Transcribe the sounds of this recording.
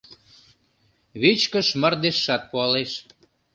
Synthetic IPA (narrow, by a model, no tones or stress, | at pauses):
βit͡ɕkəʃmərd̪eʃːɑt̪̚puɑleʃ